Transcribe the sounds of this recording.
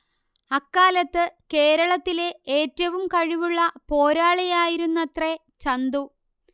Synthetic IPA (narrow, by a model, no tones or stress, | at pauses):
ɐkːaːlɐt̪ːɨke̞ːɾɐɭɐt̪ːile̞eːtːɐʋumkɐɻiʋuɭːɐpo̞ːɾaːɭijaːjiɾunːɐt̪re̞ | t͡ɕɐnd̪u